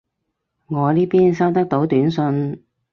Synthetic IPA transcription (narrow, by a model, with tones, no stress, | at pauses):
ŋɔː˨˧liː˥piː˥nsɐ˥wt̪ɐ˥k̚t̪o˨˥wt̪yː˨˥nsɵ˧n